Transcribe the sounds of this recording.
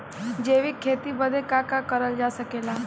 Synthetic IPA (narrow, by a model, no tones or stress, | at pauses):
d͡ʒeʋikʰːet̪ibəd̪ʱekakakəɾəld͡ʒasəkela